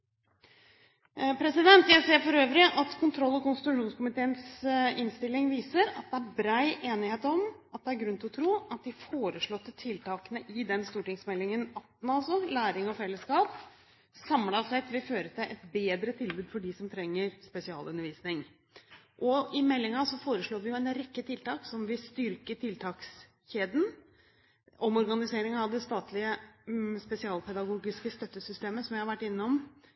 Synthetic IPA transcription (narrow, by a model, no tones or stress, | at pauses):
pʰɾɛsɪd̪ɛnt̪jæɪseːɾfɔɾøːʋɾɪʔɑt̪kʰʊnt̪ʰɾɔlːɔkʊnst̪ɪt̪ʉʂuːnskʊmɪt̪ʰeːənsɪnst̪ɪlːɪŋʋiːsəɾɑt̪̚d̪ɛæɾbɾɑɪʔeːnɪheːt̪ɔmɑt̪̚d̪ɛæɾɡɾʉnt̪ɪlɔt̪ʰɾuːɑt̪̚d̪ɪfoːɾəʂɭɔt̪ːət̪ʰɪlt̪ɑːkənəʔɪd̪ɛnst̪uːʈɪŋsmɛlːɪŋənɑt̪ːn̩ɑlsɔlæːɾɪŋɔfɛlːəskɑːp | sɑmlɑsɛt̪ʋɪføːɾət̪ʰɪlʔɛt̪beːd̪ɾət̪ʰɪlbʉːd̪fɔɖɪsɔmt̪ʰɾɛŋːəɾspɛsɪɑ̰ːlʉnːəɾʋiːsnɪŋ | ʔɔɪmɛlːɪŋɑsɔfoːɾəʂɭoːʋɪjʊɛnɾɛkːət̪ʰɪlt̪ɑːksɔmʋɪlst̪ʏɾkəʈ̪ʰɪlt̪ʰɑːks | çeːd̪n̩ | ɔmɔɾɡɑnɪseːɾɪŋɑʋd̪ɛst̪ɑːt̪ʰlɪəspɛsɪɑːlpʰɛd̪ɑɡuːɡɪskəst̪œt̪ːəsʏst̪eːməsɔmjæhɑɾʋæʈːɪnːɔm